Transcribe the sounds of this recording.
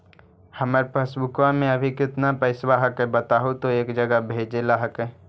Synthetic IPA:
hɐməɾpəsbʊkwamẽɐbʱikɪt̪napɛːɪswaɦəkebɐt̪aːɦot̪oeːkd͡ʒəɡəbʱeːd͡ʒelaːɦəke

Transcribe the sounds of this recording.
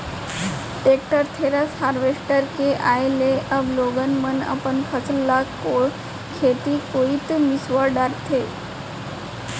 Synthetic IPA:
ʈek̚ʈəɾt̪ʰeɾashaɾʋeʂʈəɾkeʔajleʔəʋloɡənməna̰pəɳkʰət͡slːakoɭ | kʰet̪ikoit̪misʋaɖaɾt̪ʰe

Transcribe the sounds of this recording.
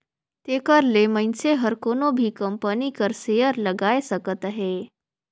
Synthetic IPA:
t̪eːkəɾlemə̃nseɦəɾkoːnobʱikɐ̃mpənikəɾsejəɾləɡaːesɐkət̪əɦeː

